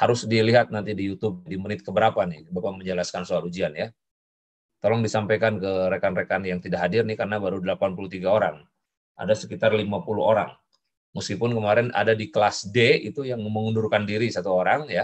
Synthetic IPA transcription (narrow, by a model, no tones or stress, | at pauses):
haɾʊsdiliɦat̪̚nant̪idijut̪ʊb̚dimənɪt̪̚kəbəɾapanɪhbapaməɲd͡ʒəlaskansoaɾud͡ʒianja | t̪olɔŋdisampajkankəɾekanrekanjaŋt̪idakɦadɪrnɪhkarənabaɾudəlapanpuluht̪iɡaoɾaŋ | ʔa̰dasəkit̪arlimapulṵoɾa̰ŋ | məskipʊnkəmaɾɛna̰dadiklasdeit̪ujaŋməŋundurkandiɾisat̪uoɾaŋja